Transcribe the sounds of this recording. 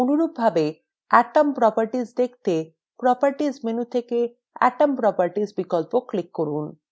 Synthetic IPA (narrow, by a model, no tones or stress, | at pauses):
onuɾubbʱabe | aʈampɾɔpaɾʈid͡ʑd̪ek̚ʰt̪e | pɾɔpaɾʈizmenut̪ʰeke | a̰ʈampɾɔpaɾʈid͡ʑbikɔlpoklikːoɾun